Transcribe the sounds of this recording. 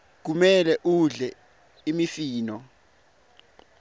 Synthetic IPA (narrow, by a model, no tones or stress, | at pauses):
k̬umɛlɛʔuɮɛ | imifiːnɔ